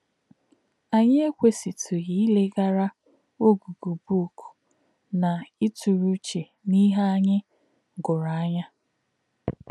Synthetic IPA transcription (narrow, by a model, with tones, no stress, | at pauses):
a˨ɲɪ˦e˦kʷe˦si˨tʰu˨ɣi˦i˦le˦ɡa˦ɾa˦ | o˦ɡu˨ɡu˨bu˦˨ku̥˨ | na˨i˦tu˨ɾu˦t͡ʃe˨ | ni˦ɦa˦a˦ɲɪ˦ | ɡʊ˨ɾa˨a˦ɲa˦